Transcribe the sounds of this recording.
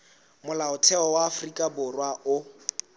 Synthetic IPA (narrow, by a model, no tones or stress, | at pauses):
mʊlaʊtʰɛɔwaːfrikʼabʊrwaʔʊ